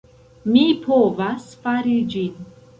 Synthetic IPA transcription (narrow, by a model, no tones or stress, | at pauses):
mipʰovasfaɾid͡ʒin